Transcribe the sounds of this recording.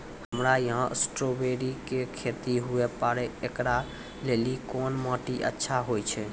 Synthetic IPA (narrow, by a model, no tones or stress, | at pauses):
həmɾajəɦə̃sʈɾobeɾikekʰet̪iɦuepaɾɛekɾa | lelikɔnmɔʈiʔə̰tːʃʰaɦojt͡ʃʰɛ